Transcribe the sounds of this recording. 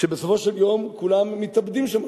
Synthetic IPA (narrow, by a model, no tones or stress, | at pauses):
ʃebesofo̞ʃeljo̞mkulamːit̪abd̪imʃam